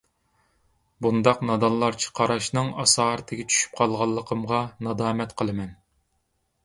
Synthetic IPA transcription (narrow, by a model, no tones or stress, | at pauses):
bund̪ɑqnɑd̪ɑlˠːɑɾt͡ʃʰi̥qʰɑɾɑʃnɨŋɑsɑːɾt̪ʰɪɡʲɛt͡ʃʰy̥ʃy̥p̚qʰɑlˠʁɑlˠːəqʰəmʁɑnɑd̪ɑːmɛt̪qʰəlˠɨmɛn